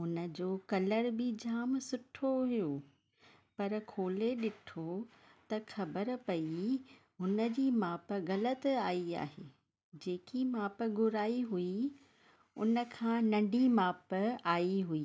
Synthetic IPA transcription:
ʊnə̆d͡ʑoːkɐləɾbɪd͡ʑaːmsʊʈʰoɦijo | pɐɾkʰoːleɗɪʈʰo | t̪ɐxɐbəɾpɐi | ɦʊnə̆d͡ʑiːmaːpɣɐlət̪aːia̰ːɦḛː | d͡ʑeːkimaːpɡʊɾaːiɦui | ʊ̰nə̆kʰãːnɐ̃ɳɖimaːpaːiɦuiː

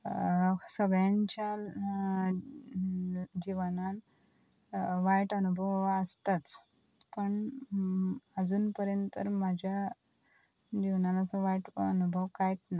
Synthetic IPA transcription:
səɡjaɲt͡ɕja | d͡ʑiʋnan | ʋajʈənubʱəʋəst̪at͡s | pəɳ | əd͡zuːnpəɾjənt̪ə̰ɾmad͡ʑʱja | d͡ʑiʋnanat͡səʋajʈə̰nubʱəʋkajet̪na

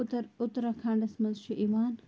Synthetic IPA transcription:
t̪ɾʊt̪ɾakʰaːɳɖɐsmɐnzʃʰiʔimaːn

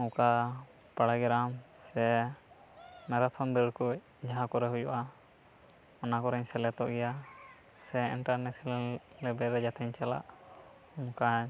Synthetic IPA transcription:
ɔ̃ka | paɽaɡɛɾamsɛ | mɛɾat̪ʰɔnd̪əɽkuc̚ | d͡ʒaɦãkɔɾɛɦujɔ̰ʔa | ɔnakɔɾɛɲsɛlɛt̪ɔʔɡɛja | sɛḭɳʈaɾnɛsillɛbɛɾɛd͡ʒat̪ʰɛɲt͡ʃala̰ʔ | umkaɲ

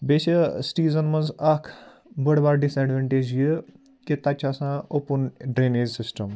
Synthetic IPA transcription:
beɕəsʈiːzənməd͡zakʰ | bəɽbaɾɖiseɖʋeɳʈed͡ʑjə | kit̪at͡ɕasãopunɖɾened͡ʑsisʈəm

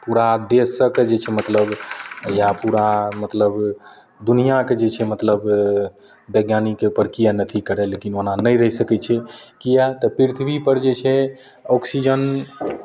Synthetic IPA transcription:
puɾad̪esəked͡ʒet͡ʃʰɛmət̪ləbjapuɾamət̪ləb | d̪unijaked͡ʒet͡ʃʰɛmət̪ləb | beɡjanikeupəɾkijanət̪ʰikəɾɛlekinoɦnanəjɾəɦisəkɛt͡ʃʰɛkijat̪əpɾiɾit̪ʰbipəɾd͡ʒet͡ʃʰɛ | ɔksid͡ʒən

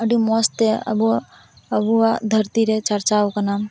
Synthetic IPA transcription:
əɽimɔst̪eɐ̰bu | ɐbuad̪ʱəɾt̪iɾet͡ʃɐɾt͡ʃaukɐnaːm

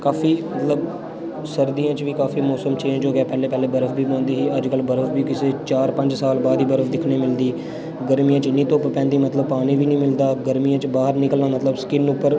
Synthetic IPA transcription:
kaːfʰiːmət̪ləb | səɾd̪ijãːt͡ʃʋiːkaːfiːmɔːsəmt͡ʃẽːd͡ʒoːɡɛːpɛːleːpɛːleːbəɾəfʰbiːõːnd̪iːɦiːəd͡ʒkəlbəɾəfʰbiːkɪseːt͡ʃaːɾpə̃ɲd͡ʒsaːlbaːd̪iːbəɾəfʰd̪ɪkʰɽeːmɪld̪iː | ɡəɾmijãːt͡ʃnĩːt̪õːppɛ̃ːnd̪iːmət̪ləb̚paːniːʋiːnĩːmɪld̪aːɡəɾmijãːt͡ʃbaːɦəɾnɪkəlnaːmət̪ləbskɪnʊpːəɾ

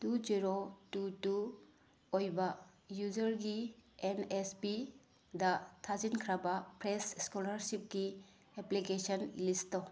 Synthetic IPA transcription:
tud͡ʒiɾotutu | ojbɐjuzɐɾɡienespi | dɐtʰazinkʰɾabapɾesskolɐɾsip̚ɡi | eplikesɔnlisto

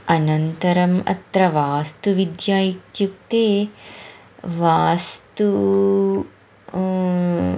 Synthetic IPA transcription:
ɐnɐnt̪ɐɾɐmɐ̰t̪ɾɐʋaːst̪uʋid̪jaːjikjuk̚t̪eː | ʋaːst̪u

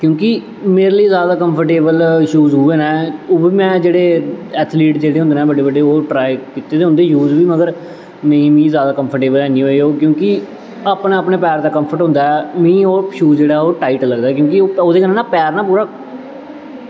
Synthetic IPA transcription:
kjõːkɪ | meːɾliːzjaːd̪aːkəmpʰəɾʈeːbəlʃuːzɦuːeːnɛ̃ːoːbiːmɛ̃ːd͡ʒeːɽeːɛːt̪ʰliːʈd͡ʒeːɽeːɦnd̪eːnɛ̃ːbəɖeːbəɖeːoːʈɾaːikiːt̪ːeːd̪eːʊ̃nd̪eːjuːzbiːməɡəɾ | mɛ̃ĩːmĩːzjaːd̪aːkəmpʰəɾʈeːbəlɛːniːɦoːioːkjõːkɪ | aːpnãːapɳeːpɛːɾd̪aːkəmpʰəɾʈɦʊ̃nd̪aːɛːmĩːoːʃuːd͡ʒeːɽaːɦɛoːʈaːiːʈləɡd̪aːɛkjõːkɪoːoːd̪eːkənːnaːpɛːɾnãːpuːɾaː

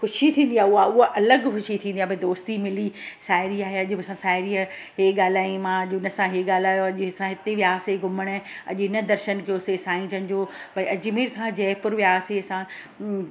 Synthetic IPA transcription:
xʊʃit̪ʰĩːn̆d̪iaːɦʊaʊɦoʔɐləɡxʊʃit̪ʰĩːnd̪iabɐẽd̪oːst̪imɪlisaːɪɾiaːɦeɐʄʊbɪsãsaːɪɾiɦeːɠaːl̤aːĩmãɐʄʊnəsãɦeːɠaːl̤aːjoɐʄʊɪsãɦɪt̪eʋijaːseɡʱʊməɽ̃ɐ̰ʄɪnəd̪ɐɾʃənkijosesaːĩd͡ʑən̆d͡ʑoːbɐiʔɐd͡ʑʊmiɾkʰãd͡ʑɛːpʊɾʋijaːsesã

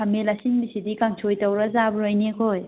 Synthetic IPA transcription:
kʰɐmelasiŋbisidikaŋsʰojtɐwɾɐzabɾojnekʰoj

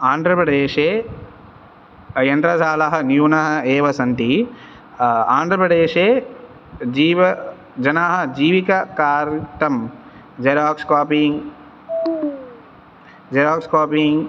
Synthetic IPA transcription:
aːnd̪ʱɾɐpɾɐɖeːʃeː | jɐnt̪ɾɐsaːlɐɦɐnjuːnɐɦɐ̆eːʋɐsɐnt̪i | aːnd̪ʱɾɐpɾɐɖeːʃeː | d͡ʒiːʋ | d͡ʒɐnaːɦɐ̆d͡ʒiːʋikɐkaːɾʈɐm | d͡ʒɐɾaːkskaːpiŋ | d͡ʒɐɾaːkskaːpiŋ

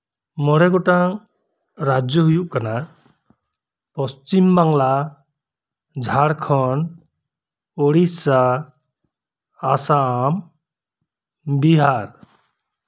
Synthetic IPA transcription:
mɔɽeɡoʈaŋ | ɾad͡ʒjɔɦujukana | pɔst͡ʃimbaŋla | d͡ʒʱaɽkʰɔn | oɽisa | asam | biɦaɾ

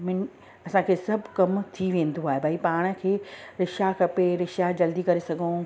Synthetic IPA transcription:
mɪn | ɐsãkʰeːsɐbʱkɐmt̪ʰiʋẽːn̆d̪oaːɦebʱaːipaːɽ̃ə̆kʰeːɾɪʃakʰɐpeɾɪʃad͡ʑɐld̪ikɐɾesɐɡʱõ

